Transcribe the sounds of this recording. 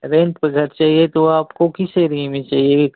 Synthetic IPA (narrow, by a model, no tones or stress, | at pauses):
ɾẽːnpeɡʱɐɾt͡ʃaːɦiet̪oaːpkokɪseɾiːmĩt͡ʃaːɦie